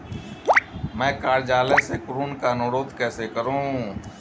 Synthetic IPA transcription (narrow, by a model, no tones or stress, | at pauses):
mɛ̃ːkaːɾd͡ʒaːlesekʊɾuːnkanoːɽoːd̪kɛːsekəɾũɦũ